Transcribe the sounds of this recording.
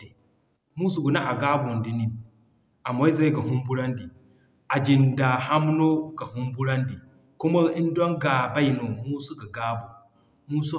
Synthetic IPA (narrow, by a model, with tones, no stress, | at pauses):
e˨ | mu˦s̬u˨ɡu˨na˦ʔa˨ɡa˦bo˨ndi˨ni˦n | a˨mo˦i˦za˦ɡa˨ɦu˦mbu˦ɾa˦ndi˨ | ʔa˨d͡ʒi˨nda˨ha˦mno˦ɡa˨hu˦mbu˦ɾa˦ndi˨ | ku˦ma˦i˦ndɔ˦ŋɡa˨ba˦jno˨mu˦su˦ɡa˨ɡaː˦bu˨ | mu˦su˦